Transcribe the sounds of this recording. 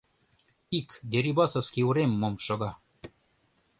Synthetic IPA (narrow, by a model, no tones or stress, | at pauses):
ikd̪ʲeɾʲibɑsofskiuɾemːomʃŏɣɑ